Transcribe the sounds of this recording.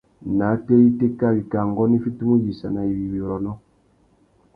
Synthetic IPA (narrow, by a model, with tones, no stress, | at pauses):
na˨˦te˦ji˦te˦ka˦˨bi˨ka˨ŋɡɔ˦ni˦fi˦tu˦mu˦ji˨sa˨na˨i˨wi˨wi˨ɾɔ˨nɔ˦